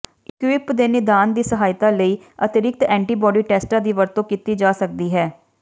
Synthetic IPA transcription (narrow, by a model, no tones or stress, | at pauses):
ɪkʋɪpd̪eːnɪd̪aːnd̪iːsəɦaːjt̪aːləiː | ət̪ɪɾɪk̚t̪ɛ̃ːɳʈiːbɔːɖiːʈɛːsʈãːd̪iːʋəɾt̪õːkiːt̪iːd͡ʒaːsək̚d̪iːɦɛː